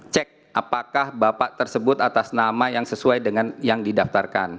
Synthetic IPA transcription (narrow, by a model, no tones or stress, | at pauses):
t͡ʃɛk̚ʔapakahbapaʔt̪ərsəbʊt̪at̪asnamajaŋsəsuajdəŋanjaŋdidaft̪arka̰n